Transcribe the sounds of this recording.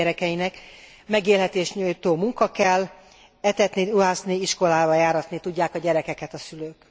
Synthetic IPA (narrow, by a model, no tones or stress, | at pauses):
ɛɾɛkɛjinɛk | mɛɡeːlɦɛt̪eːʃɲujt̪oːmuŋkɒkɛlː | ɛt̪ɛt̪niuɦaːsniiʃko̞laːvɒjaːɾɒt̪nit̪uɟːaːkɒɟɛɾɛkɛkɛt̪ɒsyløːk